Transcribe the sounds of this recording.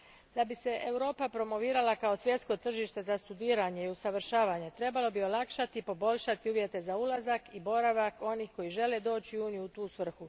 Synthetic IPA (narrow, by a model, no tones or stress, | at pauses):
d̪abise̞ʔewɾo̞ːpapɾo̞mo̞ʋiːɾalakao̞sʋje̞d̪sko̞t̪r̩ʒiʃt̪e̞zast̪ud̪iːɾaɲe̞iusaʋr̩ʃaːʋaɲe̞t̪ɾe̞balo̞bio̞lˠakʃat̪ipo̞bo̞ʎʲʃat̪iuːʋje̞t̪e̞zaulazakibo̞ɾaʋako̞niːxko̞jiʒe̞le̞d̪o̞ːt͡ɕiuːnijuut̪uːsʋr̩xu